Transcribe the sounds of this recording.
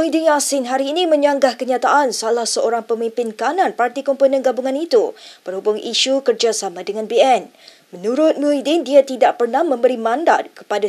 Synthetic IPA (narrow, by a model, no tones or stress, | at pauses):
uidɪnasɪnɦaɾiːnĩmə̃ɲaŋɡahkəɲat̪aʔansalahsəoɾaŋpəmĩmpɪnkanãnpart̪ikɔmpənə̃nɡabuŋãnit̪ubərhubʊŋiʃukərd͡ʒasamãdəŋãnbeɛn | mənuɾʊt̪̚muidɪndiat̪idaʔpərnahmə̃mbəɾimãnda̰t̪̚kə̥pada